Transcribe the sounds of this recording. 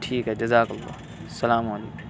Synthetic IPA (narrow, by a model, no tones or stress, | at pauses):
ʈʰiːkɦɛːd͡ʒɐzaːkɐlːɑ̰ː | sɐlaːmaliːk